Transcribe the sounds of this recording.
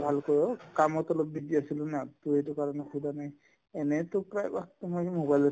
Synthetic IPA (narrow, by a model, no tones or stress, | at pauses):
bʱalkɔɹɔkamɔtɔlɔp̚bidiasilʊnatʊetukaɹɔnɛsudanaj | ɛnɛtʊpɹajbaktmɔkimobajlɔ